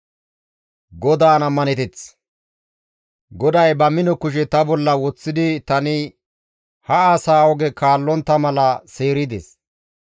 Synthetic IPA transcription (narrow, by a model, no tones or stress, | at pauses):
ɡɔd̪aːnɐmːɐnɛt̪ɛt͡s | ɡɔd̪ɐjbɐmɪnɔkʊʃ̬ɛt̪ɐbɔlːɐwɔt͡sːɪd̪ɪt̪ɐnɪ | hɐaːsaːɔɡɛkaːlːɔnt̪ːɐmɐlɐse̞ːɾɪd̪ḛs